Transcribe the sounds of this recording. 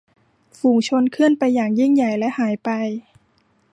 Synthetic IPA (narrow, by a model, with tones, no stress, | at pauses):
fuː˧˩ŋt͡ɕʰo˧nkʰɯ˥˩ənpa˧jːaː˨˩ŋji˥˩ŋja˨˩jlɛ˦˥ʔhaː˩˦jpa˧j